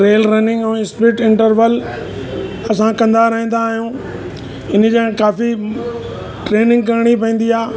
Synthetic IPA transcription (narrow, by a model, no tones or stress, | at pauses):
ɾeːlɾɐnɪ̃ŋɡɛ̃ːɪspɪʈɪ̃ɳʈəɾʋəl | ɐsãkɐ̃nd̪aɾɐɦĩːn̆d̪aːɦijũː | ɪnd͡ʑãkaːfi | ʈɾeːnɪ̃ŋɡkɐɾɪɽ̃ip̬ɐ̃ĩːn̆d̪iaː